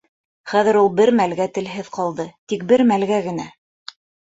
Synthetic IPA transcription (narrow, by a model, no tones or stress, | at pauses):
χæðɘ̆ɾulˠbɘɾmælɡæt̪ɘ̆lɦɘðqɑlˠd̪ɤt̪ik̚bɘɾmælɡæɡɘ̆næ